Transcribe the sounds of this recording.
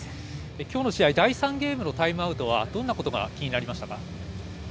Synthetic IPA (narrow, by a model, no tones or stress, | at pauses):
ekʲoːno̞ɕiaid̪aisãŋɡʲe̞ːmɯ̟no̞t̪aimɯ̟aɯ̟t̪o̞β̞ad̪õ̞nːako̞t̪o̞ɡa̰kʲiɲinaɾʲimaɕi̥t̪aka